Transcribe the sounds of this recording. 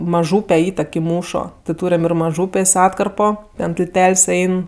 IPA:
mɐˈʒuːpʲɛ ˈiːtʲɛk ɪ ˈmuːʃoː tʲɪ ˈtuːrʲɛm ɪr mɐˈʒuːpʲeːsʲ ˈɑːtkɐrpoː tʲɛn tʲɪlʲˈtʲɛlʲsʲ ˈɛɪn

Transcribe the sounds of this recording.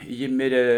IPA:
ˈjɪ ˈmʲɪrʲeː

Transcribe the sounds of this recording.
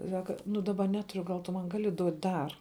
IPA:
ˈsɑːkɐ nʊ dɐˈbɐ ˈnʲæːtʊrʲʊ ɡɐlˠ tʊ ˈmɐn ˈɡɑːlʲɪ ˈduɔtʲ ˈdɐr

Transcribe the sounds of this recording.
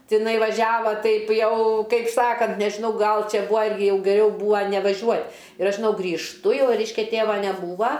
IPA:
tʲɪˈnɐɪ ʋɐˈʒʲæːʋɐ ˈtɐɪp ˈjɛʊ ˈkɐɪp ˈsɑːkɐnt nʲɛʒʲɪˈnɐʊ ˈɡɐlˠ ˈt͡ʃʲɛ ˈbʊɐ ˈɪrʲɡʲɪ ˈjɛʊ ɡʲɛˈrʲɛʊ ˈbuːɐ nʲɛʋɐˈʒʲuɔtʲ ɪr ˈɐʃ ʒʲɪˈnɐʊ ɡrʲiːʃˈtʊ ˈjɛʊ ˈrʲɛɪʃʲkʲɛ ˈtʲeːʋɐ nʲɛˈbuːʋɐ

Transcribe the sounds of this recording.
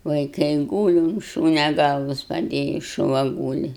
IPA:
ʋɐɪˈkɐɪ ˈɡuːlʲɪ ʊn ˈʃuːnʲɛ ˈɡɐlˠʋɐs pɐˈdʲeːjiː ʃʊˈʋɐ ˈɡuːlʲɪ

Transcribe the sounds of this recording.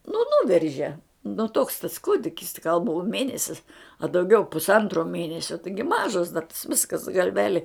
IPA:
nʊ ˈnʊʋʲɛrʲʒʲɛ nʊ toːks tɐs ˈkuːdʲɪkʲɪs tʲɪ ɡɐlˠ buɔ ˈmʲeːnʲɛsʲɪs ɐ dɐʊˈɡʲɛʊ pʊsˈɐntroː ˈmʲeːnʲɛsʲoː ˈtɐɪɡʲɪ ˈmɑːʒɐs dɐ tɐs ˈʋʲɪskɐs ɡɐlʲˈʋʲæːlʲɪ

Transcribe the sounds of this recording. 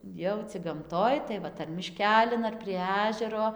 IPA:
ˈjɛʊ t͡sʲɪk ɡɐmˈtoːj tɐɪ ˈʋɐt ɐr mʲɪˈʃʲkʲæːlʲɪn ɐr pʲrʲiɛ ˈɑːʒʲɛroː

